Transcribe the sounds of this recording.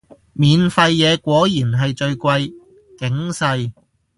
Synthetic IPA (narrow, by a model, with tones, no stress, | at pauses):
miː˨nfɐ˧jːɛː˨˧kʷɔː˨˥jiː˨˩nɦɐ˨jt͡ʃɵ˧ɥkʷɐ˧j | kɪ˨˥ŋsɐ˧j